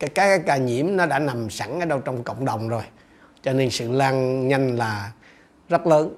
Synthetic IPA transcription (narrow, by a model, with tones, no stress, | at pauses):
ka˨˦kaː˦kaː˨˦jkaː˧˩ɲḭ˧˩əmnɔ˨˦ɗa̰ː˧˥na˨˩msa˧˩ŋʔəː˧˦ɗə˧wt͡ɕɔ˧wŋ͡mkə̰˧˨wŋ͡mɗə˨˩wŋ͡mzo˨˩j | t͡ɕɔ˧ne˧nsɨ̰˧˨laː˧ŋɲa˧jŋ̟laː˨˩ | zə˦˥t̚ləː˨˦n